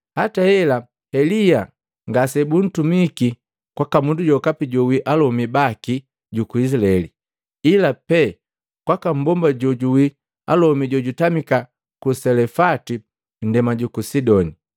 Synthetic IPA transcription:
hatahɛla | hɛlija | ŋɡasɛbun̩tumiki | kwakamunduɟɔkapiɟɔwiʔalɔmibaki | ɟukuis̬laɛli | ilapɛ | kwakam̩bɔmbaɟɔɟuwi | a̰lɔmiɟɔɟutamika | kusɛlɛfati | n̩dɛmaɟukusidɔni

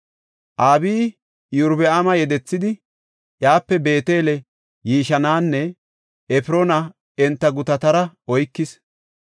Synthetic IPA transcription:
ʔaːbiː | jʊɾbɛamɐjɛd̪ɛt͡sːɪd̪ɪ | ʔjaːpːɛbe̞ːt̪e̞ːlɛ | jiːʃɐnaːnːɛ | ɛfɪɾonɐ | ɛnt̪ːɐɡʊt̪ɐt̪ɐɾɐɔjkːɪs

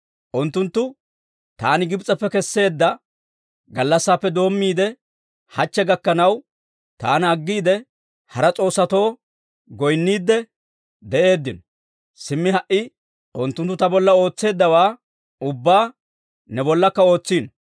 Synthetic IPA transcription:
ʔʊnt̪ːʊnt̪ːʊ | t̪aːnɪɡɪbt͡sʼɐpːɛkɛsːe̞ːd̪ːɐ | ɡɐlːɐsːaːpːɛd̪o̞ːmːiːd̪ɛ | hɐt͡ʃːɛɡɐkːɐnɐw | t̪aːnɐɡːiːd̪ɛ | hɐɾɐt͡sʼo̞ːsːɐt̪o̞ː | ɡɔjnːiːd̪ːɛ | d̪ɛʔe̞ːd̪ːɪnɔ | sɪmːɪɦɐʔɪ | ʔʊnt̪ːʊnt̪ːʊt̪ɐbɔlːɐo̞ːt͡sːe̞ːd̪ːɐwaː | ʊbːaː | nɛbɔlːɐkːɐo̞ːt͡sːiːn

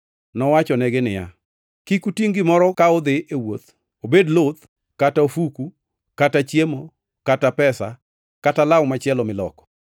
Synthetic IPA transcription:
nɔwat͡ʃɔnɛɡɪnɪja̰ | kikutiŋɡɪmɔɾɔkaɔd̪ɪʔewot̪ | obedlot̪ | kataofuku | katat͡ʃjemo | katapɛsa̰ | katalawmat͡ʃɪɛlɔmɪlɔ̰kɔ̥

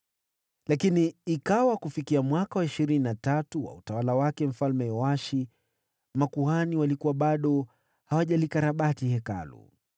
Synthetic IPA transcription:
lakiniːkawakufikiamwakawaiʃiɾininatatuwa̰utawalawakɛm̩falmɛjɔaʃi | makuhaniwalikuwaɓaɗɔ | hawaʄalikaɾaɓatihɛka̰lṵ

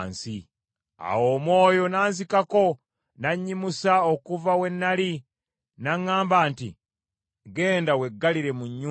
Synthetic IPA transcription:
nsi | a̰wo̞ːmwo̞ːjo̞naːnzikako̞ | naɲːimusaokuvawe̞nːali | naŋːaːmbaːntḭ | ɡe̞ːndawe̞ɡːaliɾe̞muɲːu

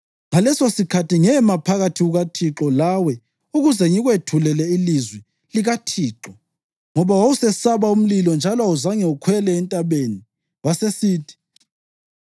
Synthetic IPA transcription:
ŋalɛsosikʰatiŋɛmapʰaɣatʰiɣuɣatʰiǁɔlawɛ | uɣuzɛŋiɣwetʰulɛlɛilizwɛ | liɣatʰiːǁɔ | ŋɔβawausɛsaβaum̩lilɔnd͡ʒʱalɔauzaŋɛukʰwɛlɛːntʼaβeni | wasesiːtʰi̥

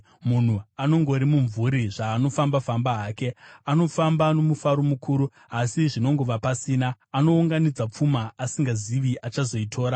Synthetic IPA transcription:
mun̤uano̞ŋɡo̞ɾimuɱvuɾiʐaːno̞fambafambaaːke̞ano̞fambano̞mufaɾomukʰuːɾu | asiʐino̞ŋɡo̞ʋapasiːnaːno̞uŋɡanid͡zap͡fumaːsiŋɡaziʋiʔat͡ʃazo̞itʰo̞ːɾa

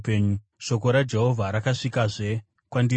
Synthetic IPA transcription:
eɲu | ʂo̞ko̞ɾad͡ʒeɦo̞vʱaɾakaʂikaʐe̞ | kwandi

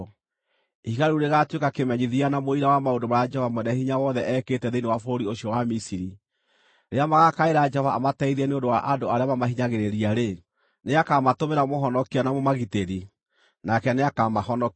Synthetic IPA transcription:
ihiɣaɾuɾeɣatwekakemɛɲiðianamoiɾawamaondomaɾad͡ʒɛhɔvamwɛnɛhiɲawɔðɛʔɛketɛðeinewafooɾioɕjɔwamisiɾi | ɾeamaɣakaeɾad͡ʒɛhɔvaamatɛiðiɛneõndowaʔandoaɾeamamaɦiɲaɣeɾeɾiaɾe | neakamatomeɾamoɦɔnɔkianamomaɣiteɾi | nakɛneakamahɔnɔk

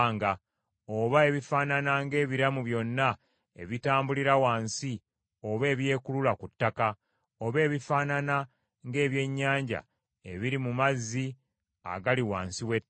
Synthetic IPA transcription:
ŋɡa | o̞βae̞βifaːnanaŋɡe̞ːβiɾamuβjo̞nːa | e̞̰βitaːmbuliɾawaːnsi | o̞βe̞ːβje̞ːkululakutːaka | oβe̞ːβifaːnana | ŋɡe̞ːβje̞ɲːaːɲɟa̰ | e̞βiɾimumazːi | a̰ɡaliwaːnsiwe

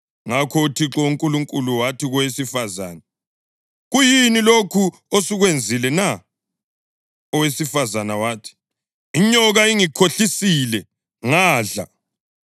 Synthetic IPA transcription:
ŋakʰɔutʰiǁɔuŋkʼuluŋkʼuluwatʰiɣɔwesifaza̰ːna | ɣujinilokʰu | osuɣwend͡zʱilɛna | ɔwesifazanawaːtʰi̥ | iɲɔɣaiŋikʰoɬisilɛ | ŋaːɮa̰

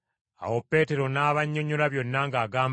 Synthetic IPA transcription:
a̰wopːe̞ːte̞ɾo̞naːβaɲːoɲoɾaβjo̞nːaŋɡaːɡaːm

